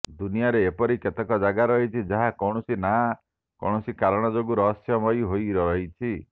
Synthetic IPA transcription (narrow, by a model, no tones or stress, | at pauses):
d̪unijaɾeːpɔɾiket̪ekɔd͡ʒaɡaɾɔɦit͡ʃʰid͡ʒaɦakɔwɽ̃ɔsina | kɔ̰wɳɔsikaɾɔɽ̃ɔd͡ʒoɡuɾɔɦːsjɔmɔjɦojɾɔɾɔɦit͡ʃʰi